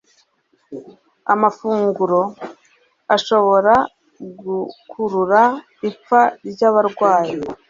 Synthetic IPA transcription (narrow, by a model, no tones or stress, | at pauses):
a̰mafuːŋɡuɾo̞ | aʃo̞βo̞ɾa | ɡukʰuɾuɾa | ip͡faɾɟaːβaɾɡwaːji